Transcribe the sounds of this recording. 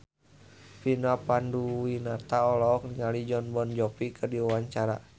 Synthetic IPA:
pinapanduwinat̪aɔlɔk̚niŋalid͡ʒɔnbɔnd͡ʒɔpikɨrdiuwaɲt͡ʃaɾa̰

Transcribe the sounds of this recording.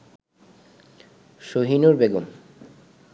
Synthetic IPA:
ʃoɦinoɾbeɡom

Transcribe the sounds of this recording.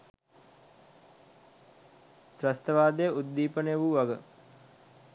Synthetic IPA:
t̪rɐst̪əʋaːd̪əjəʔud̪ːiːpənəjəʋuʋaɡə

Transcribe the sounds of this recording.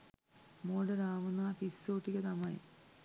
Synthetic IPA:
moːɖɐɾaːʋunːɐpisːoːʈːikɐt̪ɐmɐjḭ

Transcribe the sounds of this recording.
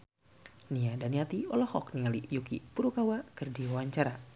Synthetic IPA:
niadaniat̪iɔlɔhɔkniŋalijukḭpuɾukawakɨrdiwawaɲt͡ʃaɾa

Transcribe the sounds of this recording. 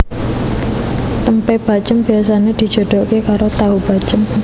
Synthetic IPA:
t̪əmpeb̥a̤t͡ʃəmbi̤as̬aned̪̥i̤̥d͡ʒ̥o̤d̪̥ɔʔkekaɾot̪aɦub̥at͡ʃəm

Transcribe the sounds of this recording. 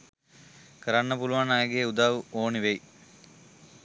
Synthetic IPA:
kəɾanːəpuluʋanajɡeːud̪aːʋuoːniʋej

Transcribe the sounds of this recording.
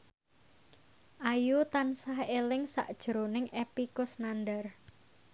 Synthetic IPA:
ʔajut̪ansahelɪŋsa̰ʔd̥ʒ̥əɾonɪŋʔepikʊsnandar

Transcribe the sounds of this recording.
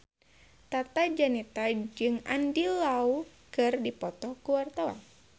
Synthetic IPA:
t̪at̪ad͡ʒanit̪ad͡ʒɨŋandilau | kɨrdipɔt̪ɔkuwart̪awa̰n

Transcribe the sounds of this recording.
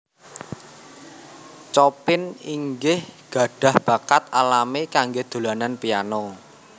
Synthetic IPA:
t͡ʃɔpɪniŋɡɪhɡ̥a̤ɖ̥ä̤hb̥a̤kat̪̚alamekaŋɡed̪̥o̤lananpijanɔ

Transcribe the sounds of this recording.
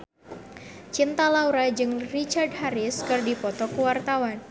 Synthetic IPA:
t͡ʃint̪alauɾad͡ʒɨŋrit͡ʃardɦaɾɪskɨrdipɔt̪ɔkuwart̪awan

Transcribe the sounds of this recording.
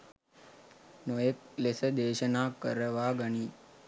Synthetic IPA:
nojek̚lesəd̪eːʃənaːkəɾəʋaːɡəɳiː

